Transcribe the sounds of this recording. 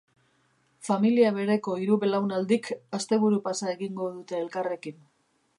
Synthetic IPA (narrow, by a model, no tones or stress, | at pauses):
familiaβe̞ɾe̞ko̞iɾuβe̞lawnald̪ikast̪e̞βuɾupasaeɣiŋɡo̞ðut̪e̞ːlkare̞kin